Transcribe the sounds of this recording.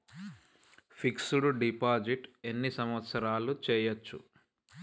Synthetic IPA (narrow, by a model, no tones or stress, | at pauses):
pʰiksuɽuɖipaːd͡ʒiʈe̞nːisɐmʋɐt̪sɐɾaːlut͡ʃɛːjɐt͡ʃːṵ